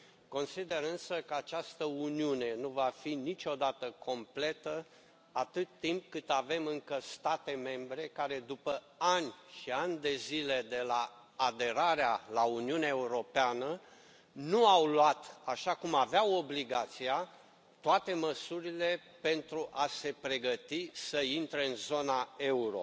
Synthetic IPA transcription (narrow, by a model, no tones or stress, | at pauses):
ko̞nsid̪e̞ɾɨnsəkəat͡ʃast̪əuniune̞nuvafinit͡ʃʲo̞d̪at̪əko̞mple̞t̪ə | at̪ɨt̪ːimp̚kɨt̪ave̞mɨŋkəst̪at̪e̞me̞mbɾe̞kaɾe̞d̪upə | anʲʃianʲd̪e̞zile̞d̪e̞laː | d̪e̞ɾaɾealauniuneaeuɾo̞peanə | nuawluat̪aʃakumaveawo̞bliɡat̪sia | t̪oat̪e̞məsuɾile̞ | pe̞nt̪ɾuʔase̞pɾe̞ɡət̪isəint̪ɾe̞ɨnzo̞nae̞uɾo̞̰